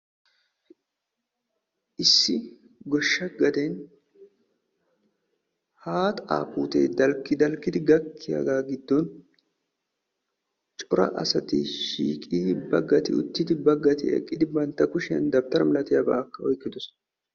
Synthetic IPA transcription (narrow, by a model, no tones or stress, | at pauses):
ʔɪsːɪ | ɡɔʃːɐɡɐd̪en | haːt̪a̰ːpuːt̪ḛːd̪ɐlkːɪd̪ɐlkːɪd̪ɪɡɐkʰːɪja̰ɡaːɡɪd̪ːɔn | t͡ʃʼɔɾɐ̰ʔɐsɐt̪ɪ̰ʃḭːkʼiːbɐɡːɐt̪ɪ̰ʊ̰t̪ːɪd̪ɪbɐɡːɐt̪ɪ̰ɛ̰kʼːɪd̪ɪbɐnt̪ːɐkʊʃɪjɐ̰nd̪ɐb̚t̪ɐɾɐmɪlɐt̪ɪjɐbɐʔɐkːɐɔjkːɪd̪ʊs